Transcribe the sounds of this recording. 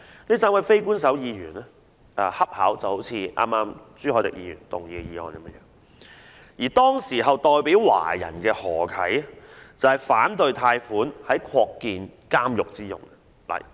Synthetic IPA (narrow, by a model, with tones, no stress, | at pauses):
niː˥s̬aː˥wɐ˨˧jfe˥jkuː˥ns̬ɐ˨˥wjiː˨˧jyː˨˩nɛ˥ | ʔɛ˧hɐ˥p̚haː˨˥wt͡sɐ˨˩who˨˥wt͡sʰiː˧ʔa̰ː˥mːaː˥m | t͡syː˥hɔː˨˥t̪ɪ̰˨k̚jiː˧y̰ː˨˩nt̪ʊ̰˨ŋjiː˨˧jiː˨˧ɔ̰ː˧ni˨˧mɛ˥jɛː˨˧ | jiː˨˩t̪ɔː˥ŋsiː˨˩ɦɐ˨wt̪ɔː˨jpiː˨˥wwa̰ː˨˩jɐ̰˨˩nkɛː˧hɔː˨˩kʰɐ˨˥jt͡sɐ˨˩whɐ˨˩jfaː˨˥nt̪ɵ˨ɥt̪ʰaː˧jfuː˨˥nhɐ˨˥jkʰɔː˧kːiː˨nkaː˥mjʊ˨k̚t͡siː˥jʊ̰˨ŋ˨ | lɐ̰˨˩j